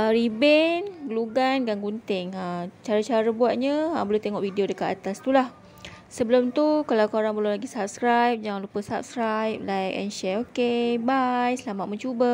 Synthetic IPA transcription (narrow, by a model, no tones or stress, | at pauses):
əɾibɛnɡəluɡanɡaŋɡunt̪ɪŋət͡ʃaɾat͡ʃaɾəbuat̪̚ɲaəmbəluht̪eŋɔʔvidiodəkat̪at̪ast̪ulah | səbəlʊmt̪ukalawkoɾaŋbəlʊlaɡisap̚skɾajp̚d͡ʒaŋanlupəsap̚skɾajp̚lajk̚ɛ̰nʃɛokebajsəlamat̪̚məɲt͡ʃubə